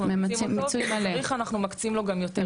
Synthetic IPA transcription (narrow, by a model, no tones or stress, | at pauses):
mmmat͡sualeʁiχanaχnumakt͡simlo̞ɡamjo̞t̪e